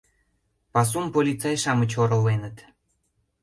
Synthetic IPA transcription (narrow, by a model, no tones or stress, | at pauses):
pɑs̬umpolʲit͡sɑjʃɑmət͡ɕoɾə̆lːenət̪